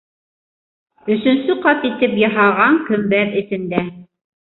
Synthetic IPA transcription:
ɵ̆sɵ̆nsɵqɑt̪it̪ɘpjɤ̆ɦɑʁɑŋkɵ̆mbæɾɘ̆θɘ̆nd̪æ

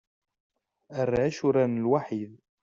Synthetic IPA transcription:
ərːaʃuɾanəlwaħið

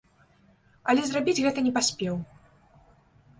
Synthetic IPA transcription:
ɐlʲɛzrabʲid͡zʲɣɛt̪ɐnʲɛpasʲpʲɛw

